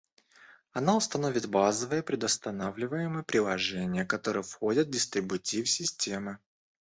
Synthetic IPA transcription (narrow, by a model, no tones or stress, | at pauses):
ɐnaʊst̪ɐno̞vʲɪt̪bazəvəjəpɾʲɪd̪əst̪ɐnavlʲɪvəjɪmɨjəpɾʲɪlˠɐʐɛnʲɪjəkɐt̪o̞ɾəjəfxo̞dʲət̪vdʲɪst̪ɾʲɪbʊtʲifsʲɪsʲtʲe̞mɨ